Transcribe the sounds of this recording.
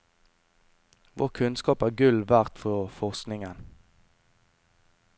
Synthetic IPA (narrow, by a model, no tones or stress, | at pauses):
ʋo̰ːʁkʰʉnskɑːpæːʁɡʉlʋæʁt̪fɔʁfɔʁsknɪŋən